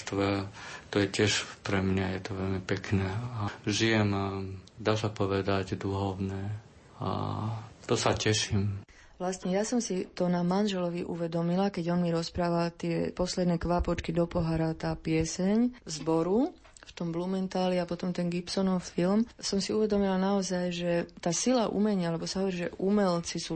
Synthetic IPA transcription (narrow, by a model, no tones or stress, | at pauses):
t̪ʋɛt̪ɔjɛcɪɛʃpɾɛmɲajɛt̪ɔʋɛlmipɛknɛaʒijɛmad̪aːsapɔʋɛd̪aɟd̪uɦɔʊnɛ | a̰t̪ɔsacɛʃim | ʋlasɲɛjasɔmsit̪ɔnamanʒɛlɔʋiʔṵʋɛd̪ɔmilakɛɟɔnmiɾɔspɾaːʋalt̪ɪɛpɔslɛd̪nɛːkʋapɔt͡ʃkid̪ɔpɔɦaɾat̪aːpɪɛsɛɲzbɔɾu | ft̪ɔmblumɛnt̪aːliapɔt̪ɔmt̪ɛnɡipsɔnɔffilmsɔmsiuʋɛd̪ɔmilanaɔzajʒɛt̪aːsilaʔṵmɛɲɪaalɛbɔsaɦɔʋɔɾiʒɛʔumɛlt͡sisuː